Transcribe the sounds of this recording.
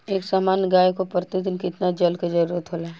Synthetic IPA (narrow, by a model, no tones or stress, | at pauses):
eːksaːmaːnɡaːjkopəɾt̪ɪd̪ɪnkɪt̪nad͡ʒɐlked͡ʒɐɾuːɾət̪ɦoːlaːɦɛ